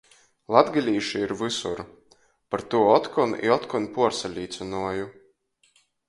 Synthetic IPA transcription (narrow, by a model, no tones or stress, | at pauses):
lˠad̪ɡalʲiːʃiiɾvɨsuɾ | paɾt̪uɔɔt̪kɔnḭɔt̪kɔnpuɔɾsalʲiːt̪sɨnuɔju